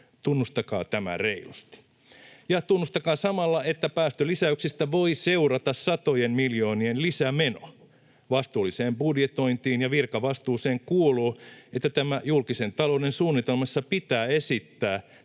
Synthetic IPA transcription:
t̪unːust̪ɑkɑ̰ːt̪æmæ̰reilṵst̪i̥ | jɑt̪unːust̪ɑkɑːsɑmɑlːɑet̪ːæpæːst̪ølisæyksist̪æʋoiseurɑt̪ɑssɑt̪ojemmiljo̞ːnienlisæmeno̰ | ʋɑst̪uːliseːmbudjet̪o̞int̪iːnjɑʋirkɑʋɑst̪uːseːŋkuoluːet̪ːæt̪æmæjulkisent̪ɑloudensuːnːit̪elmɑsːɑpit̪æːesit̪ːæː

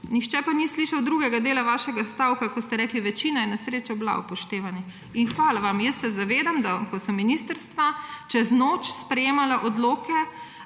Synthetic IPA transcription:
nixt͡ʃɛpanisliːʃawd̪ɾuːɡɛɡad̪eːlaʋaːʃɛɡast̪awkakɔst̪ɛɾɛːkliʋɛt͡ʃiːnajɛnɛsɾeːt͡ʃɔbla̰upɔʃt̪eːʋani | inxʋaːlaʋamjəst̪sɛzaʋeːd̪amd̪akɔsɔmːinist̪əɾst̪ʋat͡ʃɛznoːt͡ʃspɾɛjeːmalaʔɔd̪loːkɛ

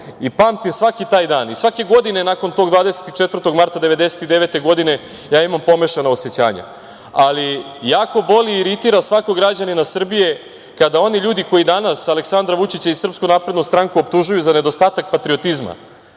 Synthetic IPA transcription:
ipaːmt̪imsʋakit̪aːjd̪aːnisʋake̞ɡo̞d̪ine̞nako̞nt̪o̞ɡd̪vʋaːd̪ese̥t̪it͡ʃet̪vər̩t̪o̞ɡmaɾt̪ad̪e̞ʋe̞d̪e̞set̪id̪e̞ʋe̞t̪e̞ɡo̞d̪ine̞ | jaːimampo̞meʃanaoset͡ɕa̰ːɲa̰ | alijaːko̞bo̞liːɾit̪iɾasʋakoɡɾad͡ʑaninasr̩bije̞ | kad̪ao̞niʎuːd̪iko̞jid̪anasale̞ksand̪ɾaʋut͡ʃit͡ɕaisr̩pskunaːpɾe̞d̪nust̪ɾaŋkuopt̪uʒujuzane̞d̪o̞st̪aːt̪ak̚pat̪ɾio̞t̪izma̰

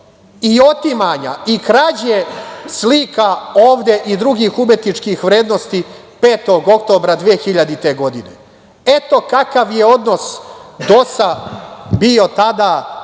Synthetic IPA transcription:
io̞t̪imaɲa̰ikɾad͡ʑeslikao̞ːʋd̪e̞ʔid̪ɾuɡiːxume̞t̪nit͡ʂkixʋɾe̞ːd̪nost̪i | pe̞ːt̪o̞ɡo̞kt̪o̞ːbɾad̪ʋeexiʎad̪it̪e̞ɡo̞d̪ine̞̰ | e̞t̪o̞kakaʋje̞o̞d̪no̞sd̪o̞sabio̞t̪ad̪a

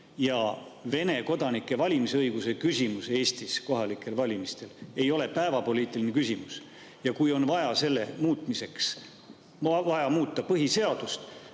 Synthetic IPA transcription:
jɑve̞ne̞ko̞d̪̥ɑnikːˑe̞vɑlʲimiseɤjɡ̥use̞kysʲimuse̞ːst̪isko̞ɦɑlikːˑe̞lvɑlʲimist̪e̞le̞jo̞le̞pæevɑpo̞lʲiːt̪ːˑilinekysʲimus | jɑkujo̞nvɑjɑse̞lːe̞muːt̪ˑmise̞ks | vɑjɑmuːt̪ˑːɑpɤɦise̞ɑd̪̥ust̪

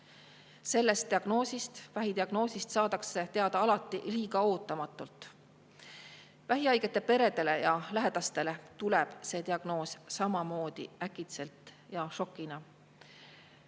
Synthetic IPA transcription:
se̞lːe̞st̪iɑɡ̥no̞ːsist̪væɦid̪iɑɡ̥no̞ːsist̪sɑːt̪ɑkse̞t̪e̞ɑd̪ɑɑlɑt̪ːˑiliːɡ̥ɑo̞ːt̪ˑːɑmɑt̪ːˑult̪ˑ | væɦiɑjɡ̥e̞t̪ːˑepe̞ɾe̞d̪e̞le̞jɑlæɦe̞d̪̥ɑst̪e̞let̪uleb̥se̞ːt̪iɑɡ̥no̞ːssɑmɑmo̞ːd̪̥ḭækːˑit̪se̞lt̪ˑjɑʃo̞kːˑinɑ

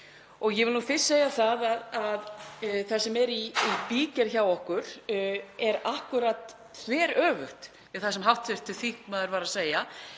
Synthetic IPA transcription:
ɔɣjɛvɪluːfɪ̥sːeːjaθaðaðaðθḁsɛmɛɾiipiːcaɾ̥çawɔhkʏɾ̥ | ɛɾahkʏɾat̪ | θvɛːɾœːvʏht̪ | ɛθḁsɛmɦawht̪θʏr̥t̪ʰːɪθihkmaðʏɾvaːɾaseːja

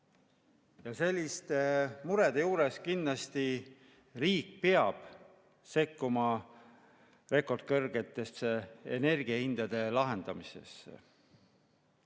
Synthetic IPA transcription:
jɑse̞lʲːist̪e̞muɾed̪̥e̞juːɾe̞skinːlɑst̪i | riːk̚peɑb̥ | se̞kːumɑ | re̞ko̞rd̪̥̚kɤrɡ̥et̪ːˑe̞seḛne̞rɡiɑhind̪̥ɑd̪̥e̞lɑɦe̞nd̪̥ɑmise̞̰sːḛ

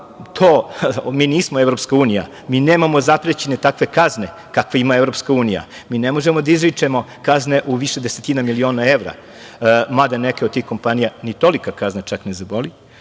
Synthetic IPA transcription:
t̪ʰoːmiːniːsmoevɾo̞pskauːnija̰ | miːneːmamo̞zapɾet͡ɕenet̪akʋe̞kazne̞ | kakʋeimaevɾo̞pskauːnija̰miːnemo̞ʒemo̞d̪aizɾit͡ʂemo̞kazne̞ʔuʋiʃed̪eset̪inamilio̞ːnaeʋɾa̰ | mad̪anekeod̪̚t̪iːxko̞mpanijanit̪o̞likakaznat͡ʃaknezaboli

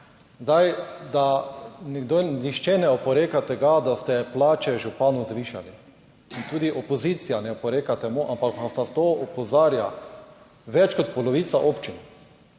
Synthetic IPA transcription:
zd̪ajd̪anɛɡd̪oniʃt͡ʃɛnɛɔpɔɾeːkat̪ɛɡad̪ast̪ɛplaːt͡ʃɛʒupaːnuzʋiːʃa̰li | int̪uːd̪iʔɔpɔziːt̪sijanɛɔpɔɾeːkat̪ɛmoʔampaknasnast̪oːɔpɔzaːɾja̰ | ʋɛt͡ʃkɔt̪pɔlɔʋiːt̪saʔoːpt͡ʃin

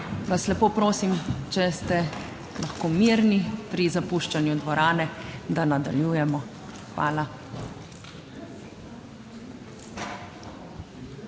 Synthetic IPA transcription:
ʋaslɛpoːpɾoːsimt͡ʃɛst̪ɛ | laxkoːmiɾnipɾizapuːʃt͡ʃanjud̪ʋɔɾaːnɛd̪anad̪a̰ljuːjɛmɔ | xʋaːla

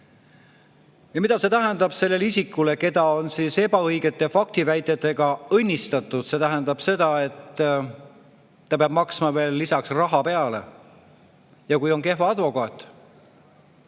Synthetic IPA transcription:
jɑmid̪ɑse̞t̪æɦend̪ɑb̥se̞lːe̞lisikːˑule̞ke̞d̪ɑo̞nsiːse̞bɑɤjɡe̞t̪ːˑe̞fɑk̚t̪ivæjt̪ːˑet̪ːˑe̞ɡ̥ɑɤnʲːist̪ɑt̪ːˑud̪̥se̞t̪æɦend̪̥ɑb̥se̞d̪̥ɑe̞t̪ː | ɑpeɑb̥̚mɑksmɑve̞ːlːisɑksrɑɦɑpe̞ɑle̞̰ | jɑkujo̞ŋke̞hvɑɑd̪vo̞kɑːt̪ˑː

